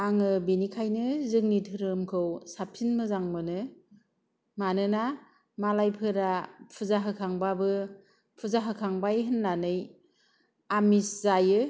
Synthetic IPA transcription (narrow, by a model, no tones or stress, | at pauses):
aŋɯbinikʰajnɯzɯŋnitʰɯɾɯmkʰɯwsapʰinmɯzaŋmɯnɯ | manɯna | malajpʰɯɾapʰɯzaɦɯkʰaŋbabɯ | pʰɯzaɦɯkʰaŋbajɦɯnːanɯj | amiszajɯ